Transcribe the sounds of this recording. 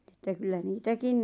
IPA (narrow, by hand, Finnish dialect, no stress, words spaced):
etːæ kylːæ niːtækin